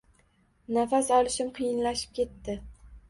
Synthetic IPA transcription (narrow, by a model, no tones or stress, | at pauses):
nafasɒlˠɪʃɪmqʰɨjɪnlaʃɪ̥p̚kʲe̞t̪ːɪ